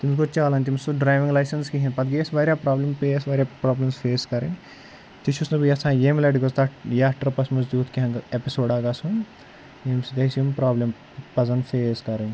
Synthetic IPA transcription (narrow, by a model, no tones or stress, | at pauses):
t̪imsɡot͡ʃaːlɐnʲt̪̬imsuɖɾaːjʋiŋlɐjsɐnskiɦĩnpɐt̪ɡesʋɐːɾʲjaːpɾaːblempeːsʋɐɾʲjaːpɾaːblemsfeːskɐɾin | t̪it͡ʃʰusnɐbjɐsʰãːjemlɐɖiɡost̪ɐjaʈɐɾpɐsmɐzd̪juːt̪ʰkiɦɐ̃ŋɡɐepisoːɖaːɡɐsun | jeːmsid̪ɐsjumpɾaːblem | pɐzɐnfeːskɐɾin